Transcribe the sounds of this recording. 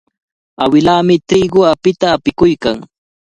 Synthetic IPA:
awɪlaːmɪt̪ɾiːɢʊapɪt̪aːpɪkʊjkaŋ

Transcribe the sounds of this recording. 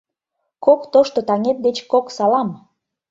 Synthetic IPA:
kokt̪oʃt̪ot̪ɑŋet̪̚d̪et͡ɕkoksɑlɑm

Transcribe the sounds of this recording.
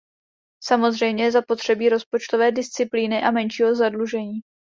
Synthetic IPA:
samo̞zr̝ɛjmɲɛjɛzapo̞t̪r̝̥ɛbiːɾo̞spo̞t͡ʃt̪o̞vɛːdɪst͡sɪpliːnɪʔamɛnʃiːɦo̞zadluʒɛɲiː

